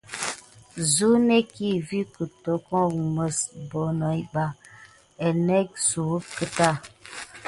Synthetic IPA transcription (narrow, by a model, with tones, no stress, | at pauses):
zu˦ne˦ki˦˨vi˦kə˨to˨˦kɔ˦˨mə˨sbɔ˨˦nɔ˨i˦ɓa˦˨ | ɛ˨nɛ˦k̚su˨˦kə˦ta˦˨